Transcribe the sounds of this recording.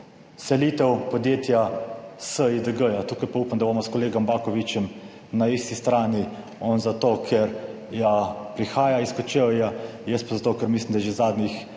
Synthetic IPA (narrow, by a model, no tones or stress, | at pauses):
sɛliːt̪ɛwpɔd̪jeːt̪jasəid̪əɡəjat̪uːkajpaupamd̪aboːmɔskɔleːɡɔmbaːkɔʋit͡ʃɛm | naist̪ist̪ɾaːni | ɔnzat̪oːkʰɛɾ | japɾixaːjaiskɔt͡ʃejajəst̪̚pazat̪oːkəɾmislimd̪aɛʒezaːd̪nix